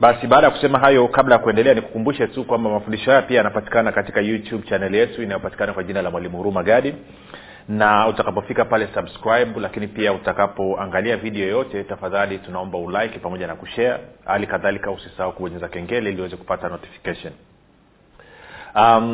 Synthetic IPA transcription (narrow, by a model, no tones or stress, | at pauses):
ɓasiɓaːɗajakusɛmaɦajɔkablajakuɛndɛlɛaniku̥kumbuʃɛtukwambamafundiʃɔhajapiajanapati̥kanakati̥kajutjubt͡ʃanɛlijɛtuinajɔpati̥kanakwaʄinalamwalimuhuɾumaɠaɗi | nautakapɔfikapalɛsabskɾajɓulakinipiautakapɔaŋɡaliaviɗiɔjɔtɛtafaðalitunaɔmbaulajki̥pamɔʄanakuʃɛa̰halikaðalikausisaaukuwɔɲɛzakɛŋɡɛlɛiliwɛzɛku̥patanɔti̥fi̥kaʃɔn | a